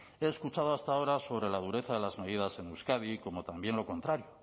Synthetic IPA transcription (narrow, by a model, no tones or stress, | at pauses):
e̞ːskut͡ʃað̞oast̪ao̞ɾaso̞β̞ɾe̞lað̞uɾe̞θaðe̞lazme̞ðiðase̞newskaðiko̞mo̞t̪ambje̞nlo̞ko̞nt̪ɾaɾjo̞